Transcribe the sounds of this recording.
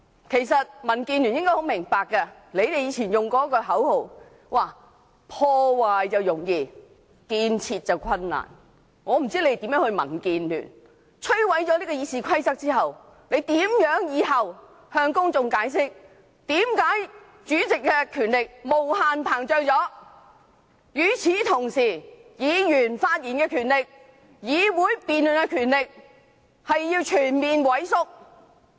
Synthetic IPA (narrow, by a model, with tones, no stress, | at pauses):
kʰe˨˩jsɐ˨t̚mɐ˨˩nkiː˧nlyː˨˩njɪ˥ŋkɔ˥jho˨˧˥wmɪ˨˩ŋpaː˨kːɐ˧le˨˧jt̪e˨jiː˨˧˥t͡sʰiː˨˩njʊ˨ŋkɔː˨˥kːɔː˧ɦɐ˨˥who˨w | waː˨˩ | pʰɔː˧waː˨jt͡sɐ˨wjʊ˨˩ŋjiː˧ | kiː˨˧nt͡sʰiː˧t̚t͡sɐ˨wkʷʰɐ˧nːa̰ː˨˩n | ŋɔː˨˧m̩˨˩t͡si˥le˧˥e˨t̪i˨˧˥mjœː˨˧˥ŋhɵ˧ɥmɐ̰˨˩nkiː˧nly̰ː˨˩n | t͡ʃʰɵ˥ɥwɐ˨˥jt͡ʃɔ˨˧liː˥kɔ˧jiː˨˧siː˨˧kʰɐ˥jt͡sɐ˥k̚t͡siː˥ɦɐ˨˩w | le˨˧jt̪iː˨˥mjœː˨˥ŋjiː˨˧ɦɐ˨w | hœː˧ŋkʊ˥ŋt͡sʊ˨ŋkaː˨˥js̬ɪ˥k̚ | t̪iː˨˥mkaː˨˥j | t͡ʃyː˨˥t͡sɪ˨kːɛ˧kʰyː˨˩nlɪ˨k̚mo˨˩whaː˨npʰaː˨˩ŋt͡ʃœː˧ŋt͡sɔː˨˥ | jyː˨˧˩t͡sʰiː˨˥t̪ʰʊ˨˩ŋsiː˨˩jiː˨˧jyː˨˩nfaː˧t̚jiː˨˩nkɛː˧kʰyː˨˩nlɪ˨k̚ | jiː˨˧wuː˨˥jpiː˨nlɵ˨˩nɛ˧kʰyː˨˩nlɪ˨k̚ | hɐ˨jːiː˧wt͡ʃʰyː˨˩nmiː˨nwɐ˨˥jsʊ˥k̚